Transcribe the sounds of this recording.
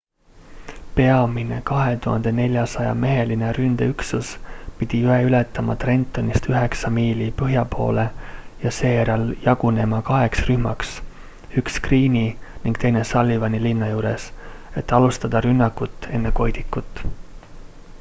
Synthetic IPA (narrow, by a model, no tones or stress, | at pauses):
pe̞ɑmine̞̰kɑɦe̞t̪uhɑnd̪̥e̞ne̞lʲjɑsɑjɑ̰me̞ɦe̞line̞ɾynd̪̥eyksuspid̪̥ijueylet̪ːˑɑmɑ̰t̪re̞nt̪ːˑo̞nist̪yɦe̞ksɑmiːlipɤɦjɑpʰo̞̰ːle̞jɑse̞ːɾɑljɑɡ̥une̞mɑkɑɦe̞ksryhmɑks | ykskriːniniŋɡ̥t̪e̞jne̞sɑlʲːivɑnilinːɑjuːɾe̞se̞t̪ːˑɑlust̪ɑd̪̥ɑɾynːɑkːut̪ːˑe̞nːe̞ko̞jd̪̥ikːˑut̪ːˑ